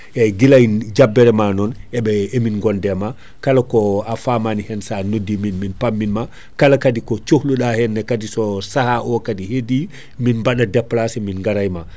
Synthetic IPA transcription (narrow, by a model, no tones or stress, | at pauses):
ʔɛɡilajd͡ʒabːɛɾɛmanɔnɛɓɛeminɡɔndɛma | kalakɔafamanihɛnsanodːiminminpamːinma | kalakadikɔt͡ʃohluɗahɛnːɛkadisɔsahaʔɔkadihedi | minbaɗadɛplasɛminŋɡaɾajma